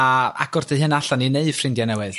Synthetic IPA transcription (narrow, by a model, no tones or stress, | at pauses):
aa̰ɡɔrdehɨnaɬanineɨd̥frɪndjanɛwɨð